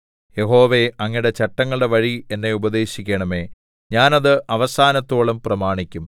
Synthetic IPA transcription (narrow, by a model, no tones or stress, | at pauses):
je̞ɦo̞ːʋe̞ɐŋːiɽe̞t͡ɕɐʈːɐŋːɐɭɨɽe̞ʋɐɻie̞nːe̞ubɐd̪e̞ːɕikʲːeɳɐme̞ː | ɲaːnɐðɨʔɐʋɐsaːnɐt̪ːoːɭɐmprɐmaːɳikʲːum